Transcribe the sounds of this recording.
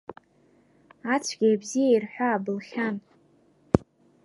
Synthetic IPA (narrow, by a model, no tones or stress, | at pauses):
at͡sʷʰɡʲijbzijairħᶣʷaːbɨlχʲan